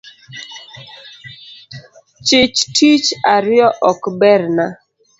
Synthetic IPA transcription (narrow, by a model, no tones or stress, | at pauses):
t͡ʃɪt͡ʃtʰit͡ʃaɾjɔʔɔkbɛɾna